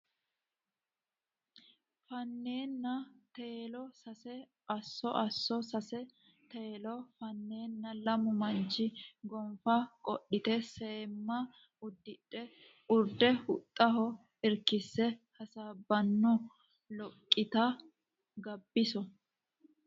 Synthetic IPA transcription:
fɐnːe̞ːnːɐt̪eːlɔsɐsɛ | ʔɐsːɔʔɐsːɔsɐsɛ | t̪eːlɔfɐnːe̞ːnːɐlɐmʊmɐnt͡ʃːɪɡɔmfakʼɔ̰ɗːɪt̪ɛse̞ːmːɐ | ʊd̪ːɪᶑɛ | ʊɾd̪ɛhʊt̪ʼːɐɦɔ | ɪɾkɪsːɛhɐsaːbɐnːɔ | lɔkʼːɪt̪ɐ | ɡɐbːɪsɔ

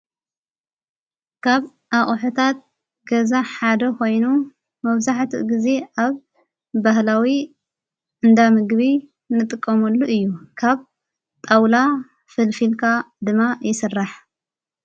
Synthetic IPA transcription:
kʰaβ | ʔaχʼħut̪ʰat̪̚ | ɡɐzaħad̪ɐkʰo̞jnu | mɐβzaħt̪ʰiɡize̞ʔaβ | bahlawi | ʔɨnd̪amɨɡβi | nɨt̪ʼɨkʼːɐmulːuʔɨjːukʰaβ | t̪ʼawla | fɨlfilkʰad̪ɨmːajɪsɨrːaħ

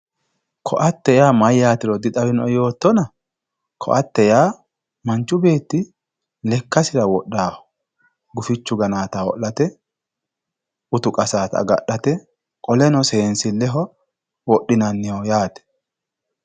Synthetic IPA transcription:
kʰɔʔɐt̪ːɛjaːmɐjːaːt̪ɪɾɔd̪ɪt̪ʼɐwɪnɔjo̞ːt̪ːɔnɐ | kʰɔ̰ʔɐt̪ːɛjaː | mɐnt͡ʃːʊbe̞ːt̪ːɪ | lɛkːɐsɪɾɐwɔɗːaːhɔ̥ | ɡʊfɪt͡ʃːʊɡɐnaːt̪awɔ̰ʔːɐt̪ɛ | ʊt̪ʊkʼɐsaːt̪ɐ̰ɡɐ̰ɗːɐt̪ɛ | kʼɔlɛnɔseːnsɪlːɛɦɔ | wɔɗːɪnɐnːɪjojaːt̪ɛ̥

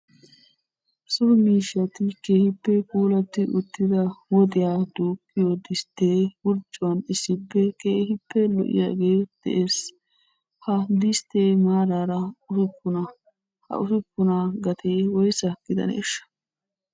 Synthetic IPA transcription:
sʊɾmiːʃːɐt̪ɪkeːhɪpːɛpuːlɐt̪ːɪʔʊt̪ːɪd̪ɐwɔd̪ɪjaːd̪uːkʼːɪjod̪ɪst̪ːeːwʊɾt͡ʃʼːʊwɐnɪsːɪpːɛkeːhɪpːɛlɔ̰ʔɪ̰ja̰ːɡe̞ːd̪̥ɛ̰ʔes | hɐd̪ɪst̪ːeːmaːɾaːɾɐʊfɛkːʊnɐ | hɐ̰ʔʊfɛkːʊnaɡɐt̪ʰeːwɔjsɐkːɪd̪ɐ̰nḛːʃːɐ̥

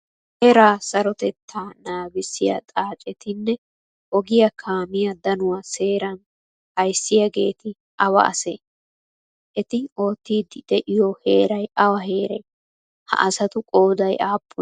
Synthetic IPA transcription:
hɛɾaːsɐɾɔt̪ɛt̪ʰːaːnaːbɪsːɪjɐ̰t̪ʼaːt͡ʃʼɛt̪ɪnːɛ | ʔɔɡɪjɐkʰaːmɪjɐd̪ɐnʊwase̞ːɾɐn | hɐjsːɪjɐɡe̞ːt̪ɪ | ʔɐwɐ̰ʔɐ̰sḛː | ʔɛt̪ɪo̞ːt̪ːiːd̪ɪd̪̥ɛʔɪjɔhe̞ːɾɐjɐwɐɦe̞ːɾɛj | hɐ̰ʔɐsɐt̪ʊkʼo̞ːd̪ɐjʔaːpʰːʊ

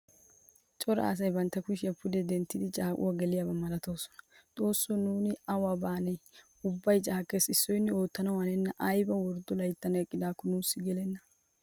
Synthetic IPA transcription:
t͡ʃʼɔɾɐ̰ːs̬ɐjbɐnt̪ːɐkʊʃɪɐpʰʊd̪ɛd̪ɛnt̪ːɪd̪ɪt͡ʃʼaːkʼʊ̰waɡɛlɪjaːbɐmɐlɐt̪o̞ːsɔ̥nɐ̥t̪ʼo̞ːsːɔnuːnɪɐwɐbaːnɛ | ʊbːɐjt͡ʃʼaːkʼːe̞ːsɪsːɔjnːɪo̞ːt̪ːɐnɐwɐnɛnːɐʔɐjbɐwɔɾd̪ɔlɐjt̪ːɐnɐkʼːɪd̪aːkːɔnuːsːɪɡɛlɛnːɐ̥

